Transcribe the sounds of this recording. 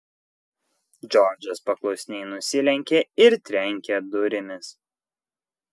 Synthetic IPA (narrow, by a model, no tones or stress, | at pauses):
d͡ʒʲɔɾd͡ʒʲɐspɐklˠɔʊsʲɪnʲɛɪnʊsʲɪlʲɛŋʲkʲeɪɾt̪ʲɾʲɛŋʲkʲɛd̪ʊɾʲɪmʲɪs